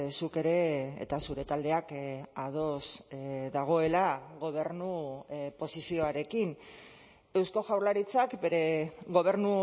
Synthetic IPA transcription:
suke̞ɾe̞̰ːt̪asuɾe̞t̪ald̪e̞akaðo̞sðaɣ̞o̞e̞laɣo̞β̞e̞ɾnupo̞sisio̞aɾe̞kin | e̞wsko̞ʝawɾlaɾit͡sakbe̞ɾe̞ɣo̞β̞e̞ɾnu

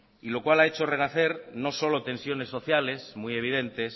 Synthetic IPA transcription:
ilo̞kwalaet͡ʃo̞renaθe̞ɾno̞so̞lot̪ẽ̞nsjo̞ne̞sːo̞θjale̞smuje̞βið̞e̞nt̪e̞s

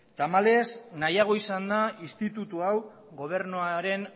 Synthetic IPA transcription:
t̪amale̞znajaɣ̞o̞isand̪aist̪it̪ut̪uaw | ɣo̞β̞e̞ɾnoaɾe̞n

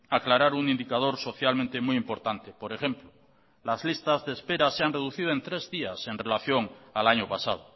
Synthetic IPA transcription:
aklaɾaɾuŋind̪ikað̞o̞ɾso̞θjalmẽnt̪e̞mujimpo̞ɾt̪ant̪e̞po̞ɾe̞xe̞mplo | lazlist̪azðespe̞ɾaseanre̞ðuθið̞oe̞nt̪ɾe̞zðiase̞nre̞laθjo̞ŋalaɲopasað̞o

